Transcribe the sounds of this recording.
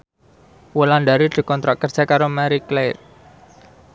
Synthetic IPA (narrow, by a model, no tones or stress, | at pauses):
wəlandaɾid̪̥ə̤kɔnt̪ɾak̚kər̥d͡ʒ̥akaɾomaɾikler